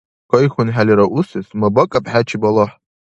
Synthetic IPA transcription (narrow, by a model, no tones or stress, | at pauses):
kʷojχʊnħalʲiɾaʔusɨsmabakʼapʼħat͡ʃʰibalaħ